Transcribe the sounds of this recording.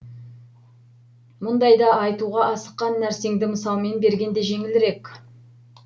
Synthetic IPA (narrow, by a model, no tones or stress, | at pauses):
mʊnd̪ɑjd̪ɑɑjt̪uʁɑʔɑsə̥qːɑnːæɾse̞ŋd̪ɪməsɑlˠme̞nbe̞ɾɡʲe̞nd̪e̞ʒe̞ŋɪlɪɾe̞kʲ